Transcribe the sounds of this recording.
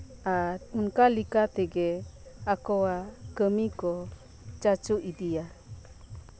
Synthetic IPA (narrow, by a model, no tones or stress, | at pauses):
at̪unkalikat̪ɛɡɛ | akɔwakəmikɔ | t͡ʃat͡ʃuid̪ia